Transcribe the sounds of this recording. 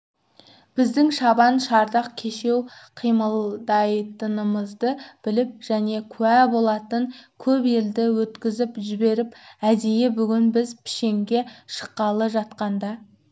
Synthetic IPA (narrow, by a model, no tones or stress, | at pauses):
b̥ɪzd̪ɪŋʃɑbɑnʃɑɾd̪ɑq̚kʲʰe̞ʃe̞wqʰijməlˠd̪ɑjt̪ənəməzd̪əb̥ɪlɪp̚ʒ̥æne̞kʲʰʉæbo̞lˠɑt̪əŋkʲʰɵbe̞ld̪ɪwɵt̪kʲɪzɪpʒɪbe̞ɾɪpæd̪ejebʏɡʲɪnbɪzpʰɪ̥ʃe̞ŋɡʲe̞ʃə̥qːɑlˠəʒɑt̪qɑnd̪ɑ